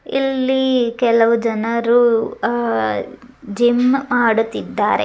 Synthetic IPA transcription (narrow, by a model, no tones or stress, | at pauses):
ilːikɛlɐʋud͡ʒɐnɐɾu | d͡ʒimmaːɽut̪ːid̪ːaːɾḛ